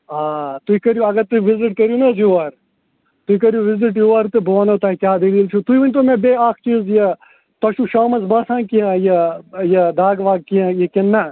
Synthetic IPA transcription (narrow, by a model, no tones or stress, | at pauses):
aːt̪uikɐɾjuɐɡɐɾt̪uʋiziʈkɐɾjunɐzjuːɐɾ | t̪uikɐɾjuʋɪziʈ̬juːʋɐɾt̪ɨboːnɐt̪ɐikʲjaːd̪ɐliːlt͡ʃʰot̪uiʋɐnʲt̪̬omẽbeːaːkʰt͡ʃiːzjɐ | t̪ɐʃuʃaːmɐzbaːsãːnkijãːjɐjɐd̪aːɡʋaːɡ̚kiãjekɪnːɐ